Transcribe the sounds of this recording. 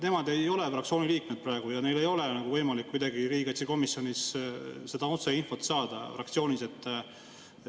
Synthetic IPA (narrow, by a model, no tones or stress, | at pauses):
ne̞mɑd̪e̞jo̞le̞frɑkt̪sio̞ːnʲiliːkmed̪̥̚prɑe̞ɡ̥ujɑne̞jle̞jo̞le̞nɑɡ̥uvɤjmɑlikːujd̪ɑɡiɾiːɡ̥ɑt̪ʲsiko̞misjo̞nʲisse̞d̪̥ɑot̪seinfo̞t̪sɑːd̪̥ɑfrɑk̚t̪sio̞ːnʲise̞t̪ˑː